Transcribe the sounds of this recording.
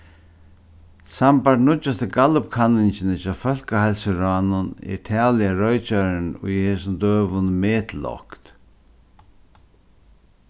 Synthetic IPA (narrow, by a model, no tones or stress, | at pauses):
sampaʈɳʊt͡ʃːast̪əɡalʊpkʰanːɪɲt͡ʃɪnɪt͡ʃaːfœlkahalsɪɾaːnʊnɛ̰ɾt̪ʰɛːlɪjaɾɔɥt͡ʃaɾɪnʊ̰jheːsʊnd̪øːʋʊnmɛːt̪lɔ̰kt̪